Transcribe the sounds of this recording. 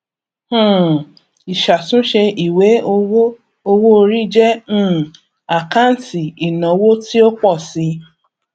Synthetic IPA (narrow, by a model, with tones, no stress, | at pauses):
hã˦˨ | i˨ʃa˨sũ˨˦ʃe˧i˨we˨˦o˧˦ | o˧wo˦o˧ɾi˦d͡ʒɛ̃˦˨ | a˨kã˦n̩˨ti˨i˨nã˨˦wo˦ti˦o˦k͡pɔ˦˨si˧˦